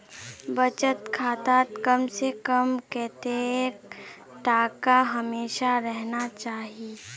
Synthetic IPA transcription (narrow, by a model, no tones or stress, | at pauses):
bɐt͡ʃət̪kʰaːt̪aːt̪kəmsekəmkɛːt̪ek | t̪aːkaɦɐmeːʃaɾɛɦnat͡ʃaːɦiie